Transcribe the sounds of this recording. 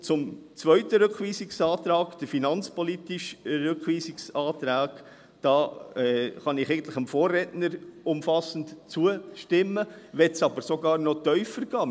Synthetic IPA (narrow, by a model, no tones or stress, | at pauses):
t͡sʊmt͡sʋœʏtəɾʏkχʋiːsɪksɑːt̪ɾɑːɡd̥əfinɑnt͡spɔlitɪʃɾʏkʋiːsɪksɑːtɾaːɡ | d̥ɑːɛχɑnɪχɛɪɡəntləχəmfoːɾrːɛtnəɾʊmfɑsən̩tt͡suəʃtɪmːəʋɛtsɑbəɾsoɡɑːɾnɔt̪œʏfəɾɡ̥ɑː